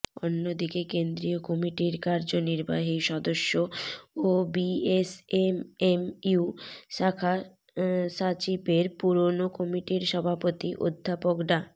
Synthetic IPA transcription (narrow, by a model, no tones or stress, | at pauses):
o̰nːod̪ikekend̪ɾiokɔmiʈiɾkaɾd͡ʑoniɾba̰ɦiʃɔd̪oʃːoobiesememuʃakʰa | ʃat͡ɕipeɾpuɾonokɔmiʈiɾʃɔbʱapot̪iʔo̰d̪ʱːapokɖa